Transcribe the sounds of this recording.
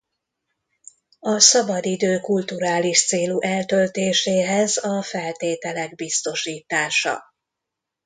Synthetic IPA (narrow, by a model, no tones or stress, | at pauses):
ɒsɒbɒd̪id̪øːkult̪uɾaːliʃt̪seːluʔɛlt̪ølt̪eːʃeːɦɛzɒfɛlt̪eːt̪ɛlɛɡ̚bist̪o̞ʃiːt̪aːʃɒ̰